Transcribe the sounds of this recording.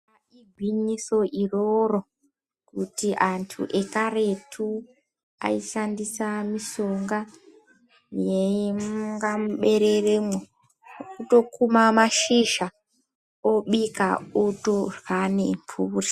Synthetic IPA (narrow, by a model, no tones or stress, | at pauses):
a | iɡʱwiɲiso̞ʔiroro̞ | kutiʔantʰṵʔe̞kaɾetʰu | a̰iʃandisamiʃoŋɡa | jemuŋɡam̩ɓe̞ɾeremo | ukuto̞kumamaʃiʒa | oɓika̰utorwanḛmpʰuːri